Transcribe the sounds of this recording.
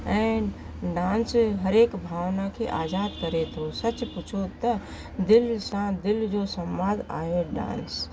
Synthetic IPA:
ɛ̃ːɳɖ | ɖãːnsɦəɾeːkbʱaːʋnakʰeʔaːd͡ʒaːd̪kəɾet̪ʰɦosət͡ʃput͡ʃʰot̪ə | d̪ɪlsãd̪ɪld͡ʒosəmbãd̪a̰ːɦeɖã̰ːns

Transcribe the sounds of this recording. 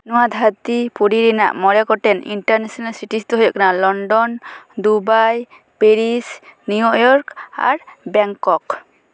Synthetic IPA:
nɔwad̪ʱat̪ipuɽiɾina̰ʔmɔɾɛkɔʈɛnḭɳʈaɾnesɔnalsiʈist̪uɦɔjɔ̰ʔkanalɔɳɖɔnd̪ubaj | peɾisnujɔʔjɔɾka̰ɾbɛŋkɔk

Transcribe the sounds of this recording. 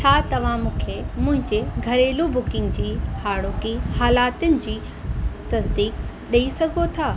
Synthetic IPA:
t͡ɕʰaːt̪ɐʋ̤ãmũːkʰemʊ̃ɦɪ̃ɲd͡ʑeɡʱɐɾeːlubʊkɪ̃ŋɡd͡ʑiːhaːɽoːkihaːlaːt̪ʊnɪ̆d͡ʑiː | t̪ɐsd̪iːkɗɐisɐɡʱot̪ʰaː

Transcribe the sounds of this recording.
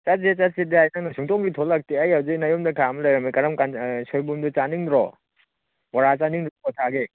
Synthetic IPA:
t͡ʃat̚set͡ʃat̚sidiajnaŋnɐsuŋtɔŋɡitʰolak̚tiɐjhawd͡ʒinajomdɐkʰamlɐjɾɐmikɐɾɐmkansojbumdut͡ʃaniŋdɾɔ̰ | pɔɾat͡ʃaniŋdɾɔkɔtʰaɡe

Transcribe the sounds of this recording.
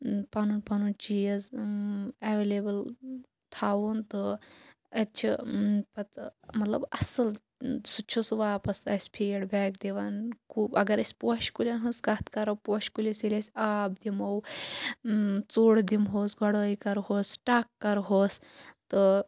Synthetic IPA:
pɐnunpɐnunt͡ʃijɐz | eʋelebəl | t̪ʰaːʋunt̪ɨ | ɐtt͡ʃʰipɐt̪mɐt̪lɐ̰bɐsɐl | sut͡ʃʰosʋaːpɐsɐ̰sʲpʰeːɽbɛːkd̪eʋankʰuːbɐɡɐɾɐsʲpoʃkulʲɐnɦɐsɡɐt̪kɐɾɐwpoːʃkulʲisilʲɐsʲaːb̚d̪imow | t͡suɽd̪imɦoːsɡʱɔɽoikɐɾɦoːsʈaːkːɐɾɦoːs | t̪ɨ

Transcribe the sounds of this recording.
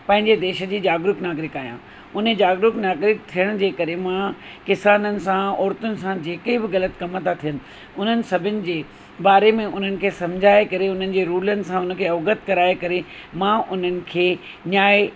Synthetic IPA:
pɐ̃ɦɪ̃ɲd͡ʑed̪eːʃə̆d͡ʑiːd͡ʑaːɡɾʊknaːɡɾɪkaːijã̰ː | ʊn̤ed͡ʑaːɡɾʊknaːɡɾɪk̚t̪ʰijəɽ̃d͡ʑeːkɐɾemãkɪsaːnənɪ̆sãɔːɾt̪ʊnɪ̆sãd͡ʑeːkibɪɣɐlət̪kɐmət̪ʰat̪ʰijənɪ̆ | ʊn̤ənɪ̆sɐbʱɪnɪ̆d͡ʑeː | baːɾemẽʔʊn̤ənɪ̆kʰeːsɐ̃md͡ʑʱaːekɐɾeʊn̤ənɪ̆d͡ʑeːɾuːlənɪ̆sãʊnə̆kʰeːɐːɡət̪kɐɾaːekɐɾemãʔʊn̤ənɪ̆kʰeː | naːe

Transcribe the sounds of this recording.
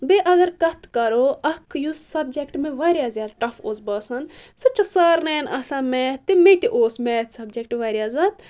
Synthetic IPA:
beʔɐɡɐɾkɐt̪ʰkɐɾoːɐkʰːjussɐb̚d͡ʒekʈmẽʋaːɾjaːzjaːd̪ʈɐfoːsbɐːsɐnsɐtːt͡ʃɐsaːɾnɛːjnɐsaːmɛːt̪ːemet̪ʲiʔoːsmɛːt̪sɐbd͡ʒek̚ʈʋaːɾʲjaːzaːt̪

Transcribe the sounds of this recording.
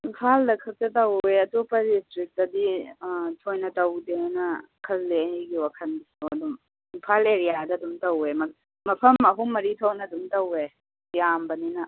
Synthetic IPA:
inpʰaldɐkʰɐk̚tɐtɐweɐtupɐdistɾik̚tɐditʰojnɐtɐwdenɐ | kʰɐlːeɦɡiwakʰɐnisɐdum | inpʰaleɾijadɐduŋtɐwemɐ | mɐpʰɐmɐɦumːɐɾitʰownɐduŋtɐwe | jambɐninɐ

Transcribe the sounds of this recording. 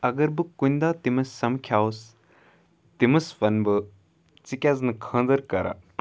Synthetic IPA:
ɐɡɐɾbɨkunʲd̪aːt̪imɐsːɐmkʰjaːus | t̪imɐsʋɐnbɨ | t͡sikʲaznɨkʰɐ̃ːnd̪ɐɾkɐɾa̰

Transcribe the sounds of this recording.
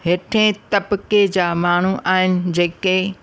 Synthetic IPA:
ɦeːʈʰẽt̪ɐbked͡ʑaːmaːɳ̤uʔaːɦɪnɪ̆d͡ʑeːke

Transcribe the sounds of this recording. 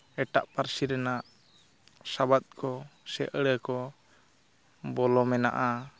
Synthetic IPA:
ɛʈaʔpaɾsiɾɛnaʔ | sabat̪̚kʰɔsɛʔəɽəkɔ | bɔlɔmɛna̰ʔa

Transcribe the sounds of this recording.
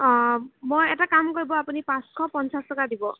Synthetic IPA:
mojetakamkɔɹibɔapunipãskʰɔpɔnsastɔkadibɔ

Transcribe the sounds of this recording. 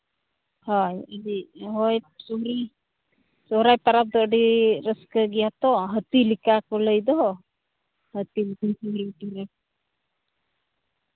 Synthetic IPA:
hɔjəɾiɦɔjsuɦɾi | sɔɦɾajpaɾap̚d̪ɔʔɖiɾəskəɡijat̪ɔɦət̪ilikakɔləjd̪ɔ | hət̪iltisuɦɾiʈiɾɛp̚

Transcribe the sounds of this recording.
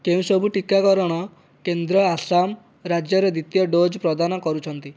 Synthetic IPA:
keũsɔbʱuʈikakɔɾɔɽ̃ɔ | kend̪ɾɔasam | ɾad͡ʒjɔɾɔd̪it̪jɔɖod͡ʒpɾɔd̪anɔkɔɾut͡ʃʰɔnt̪i

